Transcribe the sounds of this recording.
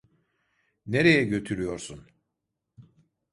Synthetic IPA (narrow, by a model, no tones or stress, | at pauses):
neɾejɛɟø̞t̪ʰyɾyjo̞ɾsun